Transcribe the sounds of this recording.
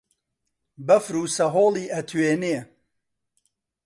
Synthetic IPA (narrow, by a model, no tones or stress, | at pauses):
bɐfɾuːsɐɦoːliːʔɐt̪ʰweːne